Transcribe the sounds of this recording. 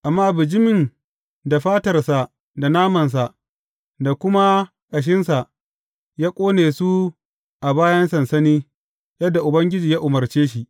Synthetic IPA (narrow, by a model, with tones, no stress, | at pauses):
ʔa˨mːaː˦bɪ˨d͡ʒɪ˦mɪ˨n | da˨ɸaː˦tɐ˨rsa˨ʔ | da˨naː˦mɐ˨ns̬a˨ʔ | da˨kʷʊ˦ma˦ | kʼɐ˨ʃ̬ɪ˦nsa˨ʔ | jaː˦kʷʼoː˦neː˨su˦ | ʔa˨baː˦jɐ˦nsɐ˨nsɐ˦niː˦ | jɐ˦dːa˨ʔʊ˨bɐ˦ŋɡʲɪ˦d͡ʒiː˨jaː˦ʔʊ˨mɐ˨rt͡ʃeː˦ʃ̬i˨ʔ